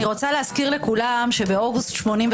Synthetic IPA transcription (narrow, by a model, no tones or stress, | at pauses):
iʁo̞t͡saleɦazkiʁle̞kulamʃe̞be̞oɡust̪ʃmo̞nimv